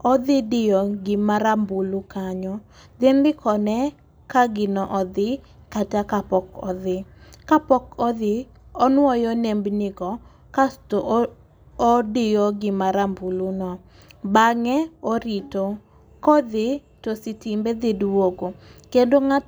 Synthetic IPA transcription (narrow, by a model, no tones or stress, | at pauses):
ɔd̪ɪdɪjɔɡɪmaɾambulukaɲɔ | d̪endɪkʰɔnɛ | kaɡɪnɔʔɔd̪ɪ | katakapɔkɔ̰ðɪkapɔkɔd̪ɪ | ɔnwɔjɔnembnɪɡɔ | kasto | ɔdɪjɔɡɪmaɾambulunɔ | baŋɛoɾito | kɔd̪ɪ | tosɪtimbed̪ɪdwoɡokendoŋa